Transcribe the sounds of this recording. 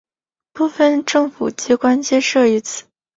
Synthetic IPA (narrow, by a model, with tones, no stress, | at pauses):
pu˥˧fə˧nʈ͡ʂɤ˥˩ŋfṵ˨˩t͡ɕi˧˥kwa˥nt͡ɕjɛ˥˧ʂɤ˥˩i˧˥t͡sʰɹ̩˥˩